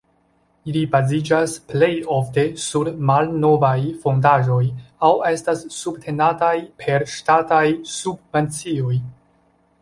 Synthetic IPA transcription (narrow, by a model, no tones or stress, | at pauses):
ilibazid͡ʒasple̞jo̞fte̞suɾmalno̞vajfo̞ndaʒo̞jawe̞stasːubtʰe̞natajpʰe̞ɾʃtatajsubve̞nt͡sio̞j